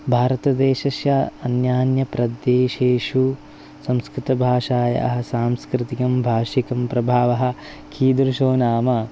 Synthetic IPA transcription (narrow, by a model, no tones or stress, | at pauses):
bʱaːɾɐt̪ɐd̪eːʃɐʃjɐɐnjaːnjɐpɾɐd̪jeːʃeːʃu | sɐ̃mskɾɪt̪ɐbʱaːʃaːjɐ̰ɐ̰ɦɐsaːmskɾɪt̪ikɐmbʱaːʃikɐmpɾɐbʱaːʋɐɦɐ̆ | kʰiːd̪ɾuʃoːnaːmɐ